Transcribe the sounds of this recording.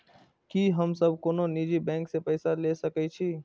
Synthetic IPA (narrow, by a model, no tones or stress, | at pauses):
kiːɦəmsəb̚koːnoniːd͡ʒibɛ̃ːŋksepɛːsalesəkɛt͡ʃʰiː